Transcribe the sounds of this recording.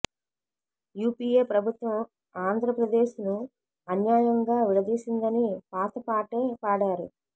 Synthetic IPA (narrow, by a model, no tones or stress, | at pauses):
juːpiːeːpɾɐbʱut̪ʋɐm | aːnd̪ʱɾɐpɾɐd̪e̞ːʃnu | ɐnjaːjɐŋɡaːʋiɭɐd̪iːsind̪ɐnipaːt̪ɐpaːʈeːpaːɽaːɾṵ